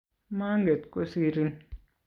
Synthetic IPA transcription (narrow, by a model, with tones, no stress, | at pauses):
ma˦ŋɡe˨t̪ko˦si˦ɾi˦n